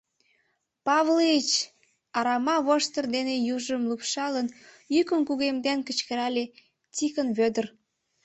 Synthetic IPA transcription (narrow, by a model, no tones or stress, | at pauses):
pɑβlet͡ɕ | ɑɾɑmɑβoʃt̪ərd̪enejuʒəmlupʃɑlən | jykənkuɣemd̪enkə̆t͡ɕkəɾɑle | t͡sikənβød̪ər